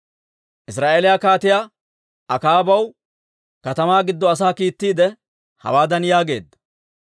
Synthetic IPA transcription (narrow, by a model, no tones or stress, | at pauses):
ʔɪs̬ɾaːʔelɪjaːkaːt̪ɪja | ʔɐkaːbɐw | kɐt̪ɐmaːɡɪd̪ːɔɐs̬aːkiːt̪ːiːd̪ɛ | hɐ̰waːd̪ɐnjaːɡe̞ːd̪ːɐ